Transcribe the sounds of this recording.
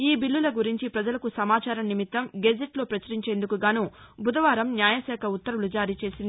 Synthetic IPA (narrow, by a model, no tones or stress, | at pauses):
iːbilːulɐɡuɾiɲt͡ʃipɾɐd͡ʒɐlɐkusɐmaːt͡ʃaːɾɐmnimit̪ːɐmɡed͡ʒeʈlo̞ːpɾɐt͡ʃɐɾiɲt͡ʃe̞ːnd̪ukuɡaːnubʱud̪ɐʋaːɾɐmnjaːjɐsɛːkʰɐut̪ːɐɾulud͡ʒaːɾiːt͡ʃe̞ːsind̪i